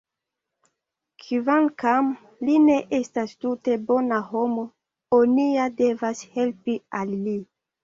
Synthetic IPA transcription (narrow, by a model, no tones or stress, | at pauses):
kʰivaŋkam | line̞ʔe̞stastute̞bo̞naho̞mo̞ | oniade̞vashe̞lpialːi